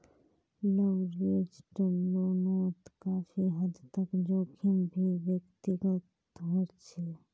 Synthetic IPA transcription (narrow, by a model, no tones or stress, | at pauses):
ləʋɾeːd͡ʒʈəmloːnoːt̪kaːfiɦəd̪t̪əkd͡ʒoːkʰimbʱiʋjəkt̪ɪɡət̪ | ɦoːt͡ʃʰeː